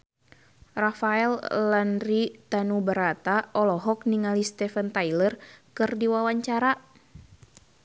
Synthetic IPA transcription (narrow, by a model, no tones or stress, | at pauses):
rafaɛllanrit̪anubəɾat̪aʔɔlɔɦɔk̚niŋalist̪ɛfənt̪ajlərkɨrdiwawaɲt͡ʃaɾa